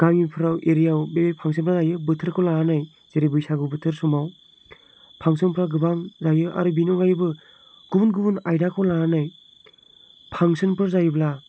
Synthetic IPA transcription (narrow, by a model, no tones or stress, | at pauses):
ɡ̥aŋipʰɯɾawʔeɾijawbeepʰaŋsɯnpʰɾazajɯbɯtʰɯɾkʰɔlaɦanɯj | z̥eɾibɯjsaɡɯwbɯtʰɯɾsumaw | pʰaŋsɯnpʰɯɾaɡɯbaŋzajɯʔa̰ɾubinɔŋajɯbɯ | ɡ̥ubunɡubunajdakʰɔwlaɦanɯj | pʰaŋsɯnpʰɯɾzajɯbla